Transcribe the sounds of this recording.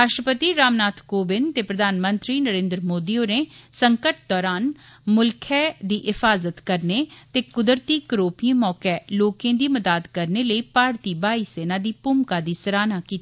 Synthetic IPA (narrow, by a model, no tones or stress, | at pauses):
ɾaːʃʈɾəpət̪iːɾaːmnaːt̪ʰkoːbɪnt̪eːpɾəd̪ʱaːnmə̃nt̪ɾiːnəɾẽːnd̪ɾəmoːd̪iːoneːsəŋkəʈ̚d̪ɔːɾaːnmʊlkʰɛd̪iːʔɪfaːzət̪kəɾnet̪eːkʊd̪əɾt̪iːkəɾoːpiĩmɔːkɛloːkẽːd̪iːməd̪aːd̪kəɾneləiːpaːɾt̪iːbaːiːseːnãːd̪iːpʊmkaːd̪iːsəɾaːnaːkiːt̪aa